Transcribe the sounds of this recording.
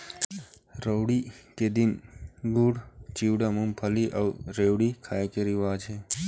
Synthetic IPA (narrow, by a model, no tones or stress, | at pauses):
ɾəwɽiked̪inɡuɽt͡ʃiwɖamumpʰəliʔɐwɾewɽikʰaːekeɾiʋaːt͡ʃʰe